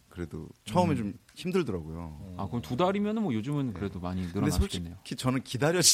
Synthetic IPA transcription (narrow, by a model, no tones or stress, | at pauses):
kɯɾe̞do̰t͡ɕʰʌɯmet͡ɕom | çimdɯɭdʌɾaɡojo̰a̰kɯɾɲtudaɾimjʌnɯnmwʌjod͡ʑɯmɯnkɯɾe̞domaɲinɯɾʌenanːe̞jokʰit͡ɕʌnɯnkidaɾjʌd͡ʑ